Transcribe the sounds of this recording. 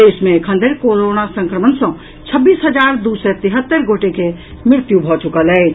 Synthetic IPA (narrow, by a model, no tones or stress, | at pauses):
eːsmẽkʰə̃nd̪eɾkoːɾoːnasə̃ŋkɾəmənsõ | t͡ʃʰəbːiːsɦɐd͡ʒaːɾd̪uːsɛt̪ɪɦət̪ːəɾɡoːʈeke | mɪɾt̪jubʱɔːt͡ʃʊkəlɛː